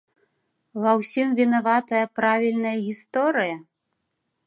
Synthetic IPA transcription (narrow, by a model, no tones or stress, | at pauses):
vɐwsʲimvʲinavat̪ɐjɐpɾavʲilʲnɐjɐɣʲist̪ɔɾɨjɐ